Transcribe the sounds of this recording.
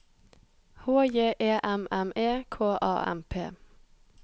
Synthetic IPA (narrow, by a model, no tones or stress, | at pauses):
hoːjeːʔeːʔɛmɛmeːkʰoːʔɑ̰ːʔɛ̰mpʰḛː